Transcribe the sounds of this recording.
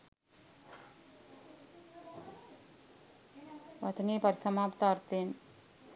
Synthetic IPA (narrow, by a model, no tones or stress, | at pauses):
ʋɐt̪ʰniːpɐɾsʰɐmaːpt̪aːɾt̪eːn